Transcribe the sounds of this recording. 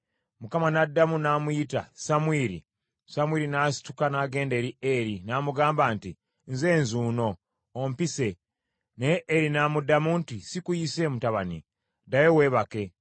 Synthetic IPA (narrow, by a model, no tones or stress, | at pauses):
mukamanadːamunamujita̰samwiːɾḭ | samwiːɾinasi̥tu̥kanaɡe̞ːnde̞ːɾieɾinaːmuɡaːmbaːnti | nze̞ːnzuːno̞ː | mpise̞ | neːɾinamudamuntisikujise̞ːmutaβanḭ | dajewe̞ːβake̞